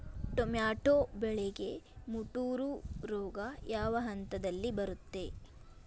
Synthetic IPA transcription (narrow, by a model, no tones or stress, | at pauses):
ʈomjaːʈoːbɛɭeɡe̞muʈuːɾuɾɔːɡɐjaːʋɐɦɐnt̪ɐd̪ɐlːibɐɾut̪ːe̞